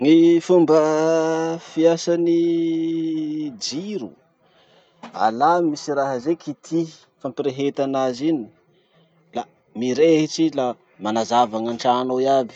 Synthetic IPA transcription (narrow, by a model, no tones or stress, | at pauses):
ŋifumbə | fiasani | d͡ʒiɾu | a̰lamisiɾaɦəzekit̪ʰi | fampiɾeɦet̪anazini | la | miɾeɦiʈ͡ʂila | manazavaŋaɳʈ͡ʂanoiabi̥